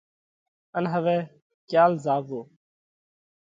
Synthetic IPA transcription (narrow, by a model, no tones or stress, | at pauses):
ənɦəʋɛː | kjaːlzaːʋoː